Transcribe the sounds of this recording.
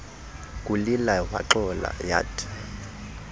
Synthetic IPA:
kʼulilawa̰ǁɔla̰ja̰tʰḁ

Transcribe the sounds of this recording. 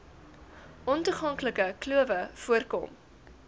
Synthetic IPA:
ʔɔntuχɐŋkləkəkluəvəfuərkɔ̰m

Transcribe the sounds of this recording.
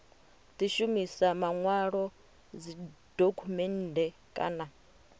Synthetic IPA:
t̪ʼiʃumisamaŋwaɺɔ | d͡zid̥okʰumɛn̩dɛ | kʼa̰na

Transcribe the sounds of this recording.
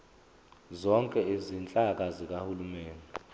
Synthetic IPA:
zɔŋkʼɛezint͡ɬʼak̬ʼazik̬ʼahulumeːndu

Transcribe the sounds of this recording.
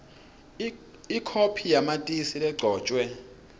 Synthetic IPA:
ikʰopʰijamatʼisilɛɡ͡ǀʱɔːt͡ʃʼwɛ

